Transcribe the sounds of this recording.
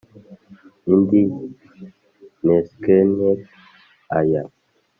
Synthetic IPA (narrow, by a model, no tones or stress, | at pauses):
indi | nɛskɛnɛt̚ | aja